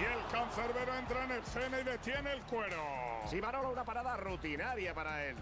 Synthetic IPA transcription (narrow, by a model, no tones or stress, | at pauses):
ielkanθeɾβeɾoe̞nt̪ɾaenelθenaiðe̞t̪jenelkweɾosiβaɾolaunapaɾaðarut̪inaɾjapaɾael